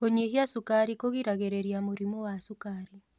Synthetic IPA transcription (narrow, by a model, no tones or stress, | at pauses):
oɲeɦiasukaɾikoɣiɾaɣeɾeɾjamuɾimɔwasukaɾi